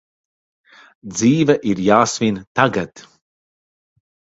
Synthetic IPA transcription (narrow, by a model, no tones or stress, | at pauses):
d̪ziːvaʔiɾjaːsvint̪aɡat̪